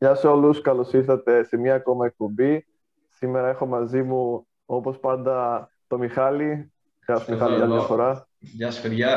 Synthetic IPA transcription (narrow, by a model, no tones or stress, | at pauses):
ʝɐseo̞luskɐlosifθɐt̪e̞semɲɐːko̞mɐe̞k̚po̞mbi | sime̞ɾɐe̞xo̞mɐzimu | o̞po̞spɐnd̪ɐ | t̪o̞mixɐli | ɣɐsmixɐliɐljɐfo̞ɾɐ | ʝɐsfeɾʝɐ